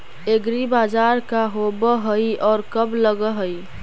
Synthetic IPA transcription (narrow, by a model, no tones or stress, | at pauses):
eɡɾibad͡ʒaɾkaɦobəɦəiɔːɾkəbləɡəɦəi